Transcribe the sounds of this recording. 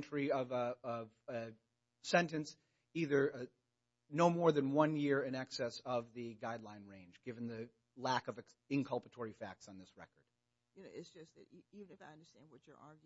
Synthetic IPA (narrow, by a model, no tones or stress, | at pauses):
nt͡ʃɹiʌvʌv | sɛ̃ntɨ̃ns | iðə˞ | noʊmɔɹðɨ̃nwʌ̃njɪɹɨ̃nɛksɛsʌvðɨɡaɪdˡlãɪ̃nɹẽɪ̃nd͡ʒɡɪvɨ̃n̩ðɨ | lækʌvɨɨ̃nkʰʌlˠpətʰɔɹifæk̚tsn̩ðɪsɹɛ̰kə˞d̥̚ | jɨnoʊɨtsd̥ʒ̥ʌsðɨ̰tivɨ̃nɨfaɪʌ̃ndə˞stæ̃nd̚wʌt͡ʃə̰˞ʔɑɹɡj